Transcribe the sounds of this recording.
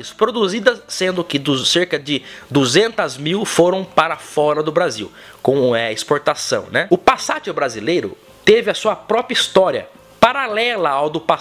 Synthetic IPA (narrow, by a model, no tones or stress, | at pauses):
ɪspɾod̪uzid̪ɐssẽnd̪ʊkɪd̪useɾkɐd͡ʒɪd̪uzẽnt̪ɐzmiwfoɾɐ̃w̃paɾɐfɔɾɐd̪ʊbɾazḭwkõmʊɛispoɾt̪asɐ̰̃w̃nɛʊpasat͡ʃɪbɾazilejɾʊ̰ | t̪evɪɐsuɐpɾɔpɾɐist̪ɔɾiɐ̰ | paɾalɛlɐawd̪ʊpa